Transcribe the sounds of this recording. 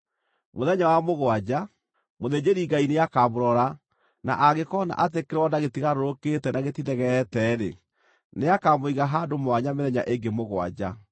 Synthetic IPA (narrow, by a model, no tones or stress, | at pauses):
moðɛɲawamoɣwad͡ʑa | moðed͡ʑeɾiɡaineakaːboɾɔɾa | na̰ʔaɣekɔna̰ʔat̬ekeɾɔdaɣetiɣaɾoɾoketɛnaɣetinɛɣɛtɛːɾḛ | neakamoiɣaɦaːdomoaɲameðɛɲa̰ʔeŋɡemoɣwa̰d͡ʑa